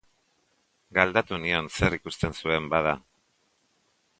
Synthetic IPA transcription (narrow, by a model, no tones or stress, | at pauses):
ɡald̪at̪unionse̞ɾikust̪e̞nsue̞mbað̞a